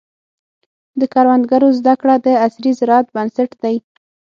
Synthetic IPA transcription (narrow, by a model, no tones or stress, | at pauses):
d̪əkɑɾwand̪ɡaɾozd̪akɽad̪əasɾizɪɾɑat̪̚bansaʈd̪aj